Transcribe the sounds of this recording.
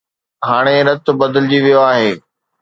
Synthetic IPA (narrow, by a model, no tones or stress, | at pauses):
ɦaːɽ̃eɾɐt̪ʊ̆bɐd̪ɪlɪd͡ʑiʋijoaːɦeː